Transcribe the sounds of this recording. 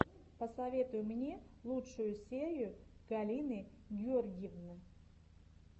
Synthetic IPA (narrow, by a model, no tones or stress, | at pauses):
pəsɐvʲe̞t̪ʊjʊmnʲe̞lˠutʂʊjʊsʲeɾʲɪjʊɡ̥ɐlʲinɨɡʲɪorɡʲɪjəvnɨ